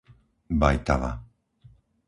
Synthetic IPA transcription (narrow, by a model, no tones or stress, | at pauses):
bajt̪ala